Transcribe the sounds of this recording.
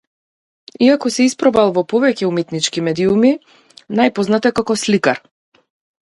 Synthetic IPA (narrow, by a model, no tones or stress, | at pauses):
iakɔsɛispɾɔbalˠvɔpɔvɛcɛumɛt̪nit͡ʃkimɛd̪iumi | najpɔznat̪ɛkakɔslikaɾ